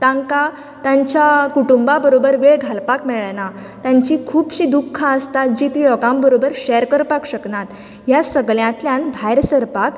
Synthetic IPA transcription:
t̪ãŋka | t̪ãɲt͡ɕjakuʈumbabəɾobəɾʋeɭɡʱalpakmɛɭna | t̪ãɲt͡ɕikʰuːbɕiːd̪ukʰːãəst̪ad͡ʑit̪ijɔɡãmbəɾobəɾɕɛəɾkəɾpakɕəknat̪ | ɦjasəɡljãt̪ljãnbʱajɾsəɾpak

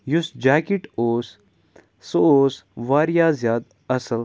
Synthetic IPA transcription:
jusd͡ʒaːkiʈoːs | sooːsʋaːɾijaːzjaːd̪ | ɐsəl

